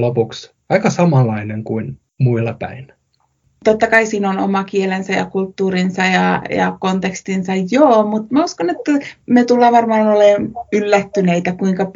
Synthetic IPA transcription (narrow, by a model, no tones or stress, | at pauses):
lopuks | ɑikɑsɑmɑlːˑɑineŋkuin | muilːɑpæ̰in | t̪ot̪ːɑkɑisiːnono̰mɑkielensæjɑkult̪ːuːrinsɑjɑjɑ̰kont̪ekst̪insɑjjoːmut̪mæuskonet̪ːæmet̪ulːɑːʋɑrmɑːnolenylːæt̪ːyneit̪ækuiŋkɑ